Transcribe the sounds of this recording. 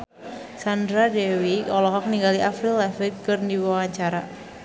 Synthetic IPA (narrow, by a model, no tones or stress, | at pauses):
sandɾadɛwiɔlɔɦɔk̚niŋɡaliʔafɾilɛfikɨrndiwawaɲt͡ʃaɾa